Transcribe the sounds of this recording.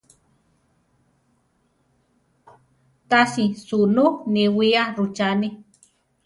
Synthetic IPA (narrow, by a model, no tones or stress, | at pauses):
t̪asisunukniwiaɾut͡ʃani